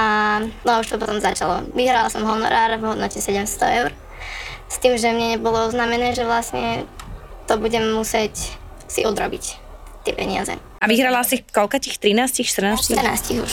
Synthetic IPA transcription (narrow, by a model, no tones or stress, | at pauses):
anɔauʃt̪ɔpɔt̪ɔmzat͡ʃalɔ̰ʋiɦɾalasɔmɦɔnɔ̰ɾaːɾvɦɔd̪nɔcɛsɛɟɛmst̪ɔɛʊɾ | st̪iːmʒɛmɲɛɲɛbɔlɔɔznaːmɛnɛːʒɛʋlasɲɛ | t̪ɔbuɟɛmmusɪɛc | sḭʔɔd̪ɾɔbic | t̪ɪɛpɛɲɪa̰zɛ̰ | aʋiɦɾalasikɔlkatixt̪ɾinaːscixʃt̪r̩naːst̪əɾna̰ːscixuʃ